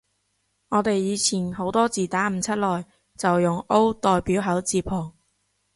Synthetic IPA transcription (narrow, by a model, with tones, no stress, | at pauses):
ŋɔː˨˧t̪e˨jːiː˨˧t͡sʰiː˨˩nho˨˥wt̪ɔː˥t͡siː˨t̪aː˨˥m̩˨˧t͡sʰɐ˥t̚lɔː˨˩j | t͡sɐ˨wjʊ˨ŋo˥wt̪ɔː˨˧jpiː˨˥wɦɐ˨˥wt͡siː˧pʰɔː˨˩ŋ